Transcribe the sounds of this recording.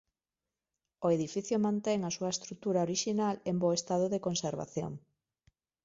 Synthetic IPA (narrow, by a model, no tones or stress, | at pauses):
oeðifiθjomãnt̪ɛŋasuɐest̪ɾut̪uɾaoɾiʃinalemboest̪að̞oðekonseɾβa̰θjo̰ŋ